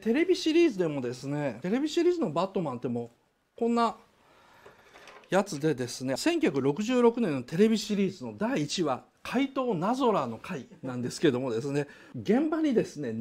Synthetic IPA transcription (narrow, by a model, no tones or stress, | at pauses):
t̪e̞ɾe̞bʲiɕiɾʲiːzɨd̪e̞mo̞d̪e̞sɨne̞t̪e̞ɾe̞bʲiɕiɾʲiːzɨno̞bat̪ːo̞mãnt̪e̞mo̞ | kõ̞nːa | jat͡sɨd̪e̞d̪e̞sɨne̞sẽ̞ŋkʲy̟çʲakɯ̟ɾo̞kɯ̟ʑɨːɾo̞kɯ̟nẽ̞nːo̞t̪e̞ɾe̞bʲiɕiɾʲiːzɨno̞d̪aiːt͡ɕiβa | kʰait̪o̞ːnazo̞ɾano̞kainãnd̪e̞sɨ̥keed̪o̞mo̞d̪e̞sɨne̞ | ɡẽ̞mbaɲ̟id̪e̞sɨne̞